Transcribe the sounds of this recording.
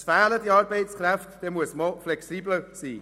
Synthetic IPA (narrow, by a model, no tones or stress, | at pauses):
sfæːlədiɑːɾbeɪtskræftd̥ɛmuəsməflɛksiːbləsiː